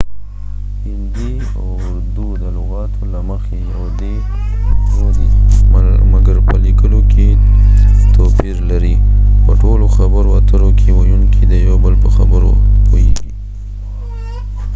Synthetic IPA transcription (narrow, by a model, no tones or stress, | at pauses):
hɪnd̪i | a̰wʊɾd̪ud̪əlʊɣɑt̪ʰolaməxejawd̪e | oɾ | maɡaɾpəlikəlokʰe | t̪opiɾlaɾipəʈoloxabəɾoa̰t̪əɾokʰewajunkʰid̪əjawbəlpəxabəɾo̰pojḛɡi